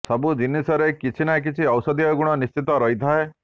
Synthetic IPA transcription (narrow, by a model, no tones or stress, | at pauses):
sɔbud͡ʒinisɔɾekit͡ʃʰinak̬it͡ʃʰiɔwsɔd̪ijɔɡuɽ̃ɔnist͡ʃit̪ɔɾɔɦit̪ʰae